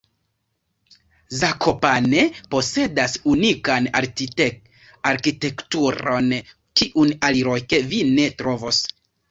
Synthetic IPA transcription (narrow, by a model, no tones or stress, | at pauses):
zakʰo̞pane̞po̞se̞dasunikanaɾ | aɾkite̞ktuɾo̞n | kiʔunaliɾojke̞vine̞tɾo̞vos